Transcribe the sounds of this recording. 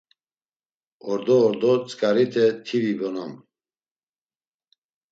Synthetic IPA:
ɔɾd̪ɔːɾd̪ɔt͡sʼkʼaɾit̪ʰɛt̪ʰivibɔnɔm

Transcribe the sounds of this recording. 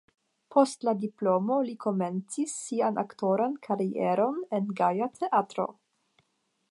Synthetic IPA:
pʰo̞stladiplo̞mo̞likʰo̞me̞nt͡sisːianʔa̰kto̞ɾankʰaɾiḛɾo̞ne̞nɡajatʰeʔatɾo̞̰

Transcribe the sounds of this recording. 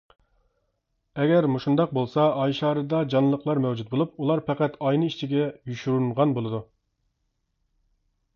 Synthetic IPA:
ɛɡʲɛɾmuʃund̪ɑq̚bolˠsɑɑjʃɑːɾɨd̪ɑd͡ʒɑnllˠːəqlˠɑɾmɛwd͡ʒut̪̚bolˠup̚ulˠɑɾpʰɛqæt̪ʰɑjnɨiʃt͡ʃʰiɡʲɛjyʃyɾunʁɑnbolˠɨd̪u

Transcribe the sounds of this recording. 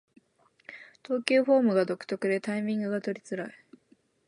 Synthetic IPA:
t̪o̞ːkʲɨːɸo̞ːmɯ̟ɡad̪o̞kɯ̟̥t̪o̞kɯ̟d̪e̞t̪aimʲĩŋɡɯ̟ɡat̪o̞ɾʲit͡sɨɾai

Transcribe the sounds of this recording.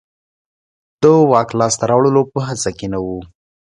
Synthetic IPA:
d̪̥əwɑklɑst̪aɾɑwɭəlopəɦat͡sakenawu

